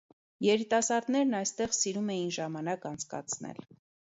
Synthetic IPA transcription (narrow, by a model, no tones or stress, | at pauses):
jɛɾit̪ɑsɑɾd̪nɛɾnɑjst̪ɛʁsiɾumɛjinʒɑmɑnɑkɑnt͡sʰkɑ̰t͡sʰnɛ̰l